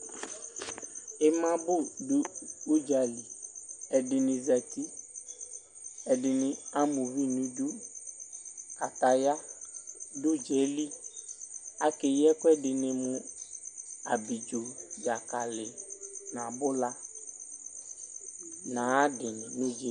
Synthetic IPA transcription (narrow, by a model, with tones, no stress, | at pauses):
ɪ˦mã˦bʊ˦du˦u˦d͡ʒa˨li˨ɛ˨ɖɪ˨nɪ̃˨zɛ˨t̪i˦ | ɛ˨dɪ˨nɪ̃˨a˦mũ˨vi˦nũ˦d͡ʒu˦ | a˨t̪a˨ja˦ | dʊ˦d͡ʒɛ˨˦li˦ | a˦ke˨jɛ˦kʊ˦ɛ˦dɪ˨nɪ̃˨mʊ̃˦ | a˨bi˨d͡ʒo˨d͡ʒa˨ka˨lɪ˨nã˨bʊ˦la˦ | nã˨˦dɪ˨nɪ̃˨nũ˦d͡ʒe˨˦